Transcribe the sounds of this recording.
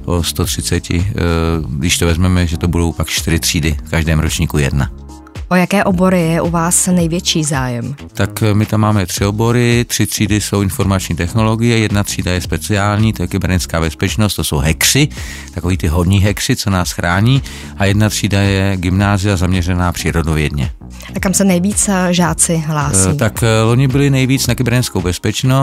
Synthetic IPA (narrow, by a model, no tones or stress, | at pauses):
post̪ot̪r̥ɪt͡sɛcɪ̰ | ɡdɪʃt̪ovɛzmɛmɛʒɛt̪obudowpakt͡ʃt̪ɪɾɪt̪r̥iːdɪfkaʒdɛːmɾot͡ʃɲiːkujɛ̰dna̰ | ʔojakɛːʔobo̞ɾɪjɛʔuvaːsnɛjvjɛt͡ʃiːzaːjɛm | t̪akmɪt̪amːaːmɛt̪r̥ɪobo̞ɾɪt̪r̥ɪt̪r̥iːdɪso̞wɪnfo̞ɾmat͡ʃɲiːt̪ɛxno̞lo̞ɡɪjɛjɛdnat̪r̝̥iːdajɛspɛt͡sɪaːlɲiːt̪ojɛkɪbɛɾnɪt͡skaːbɛspɛt͡ʃnost̪oso̞wɦɛkr̥ɪ | t̪akoviːt̪ɪɦodɲiːɦɛkrɪt͡sonaːsxɾʔaːɲiː | ʔajɛdnat̪r̥iːdajɛɡɪmnaːzɪjazamɲɛrɛnaːpr̥iːɾodovjɛdɲɛ̰ | ʔakamsɛnɛjviːt͡sʒaːt͡sɪɦlaːsiːt̪akloɲɪbɪlɪnɛjviːt͡snaɡɪbɛɾɲɛnskowbɛspɛt͡ʃno